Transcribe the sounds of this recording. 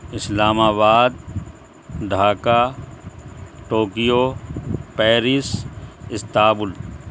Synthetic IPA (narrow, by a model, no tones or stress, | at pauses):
ɪslaːmaːbaːd̪̚ | ɖʱaːka | ʈoːkijo | pɛːɾɪsɪst̪aːbʊl